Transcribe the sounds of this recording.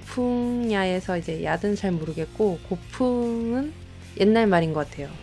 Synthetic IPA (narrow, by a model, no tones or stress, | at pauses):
pʰuŋŋɲae̞sʰʌid͡ʑe̞jadɯnt͡ɕaɭmuɾɯɡe̞t̚k͈okopʰɯŋɯn | jʔenːaɭmaɾinɡʌk͈atʰe̞jo